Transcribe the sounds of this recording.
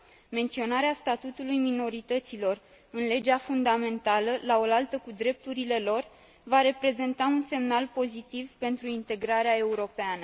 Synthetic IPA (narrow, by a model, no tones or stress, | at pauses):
me̞nt̪sio̞naɾeast̪at̪ut̪ulujmino̞ɾit̪ət̪silo̞r | ɨnle̞d͡ʒafund̪ame̞nt̪aləlao̞lalt̪əkud̪ɾe̞p̚t̪uɾile̞lo̞r | vaɾe̞pɾe̞ze̞nt̪aunse̞mnalpo̞zit̪ivpe̞nt̪ɾuint̪e̞ɡɾaɾeae̞uɾo̞peanə